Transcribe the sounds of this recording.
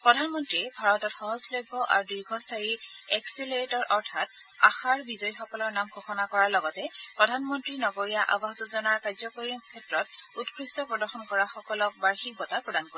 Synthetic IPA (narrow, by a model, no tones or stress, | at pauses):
pɹɔdʱanmɔntɹiɛbʱaɹɔtɔtxɔɦɔzpʰlɔbʱːɔʔa̰ɹudiɹɡʱɔstʰajiɛksileɹitɔɹʔɔɹtʰat | a̰xaɹbizɔjxɔkɔlɔɹnamɡʱoxɔnakɔɹalɔɡɔtɛpɹɔdʱanmɔntɹinɔɡoɹijaʔa̰baxzuzɔnaɹkazɔkoɹikʰɛtɹɔtutkʰɹistɔpɹɔdɔɹxɔnkɔɹaxɔkɔlɔk̚baɹxik̚bɔtapɹɔdankoɹɛ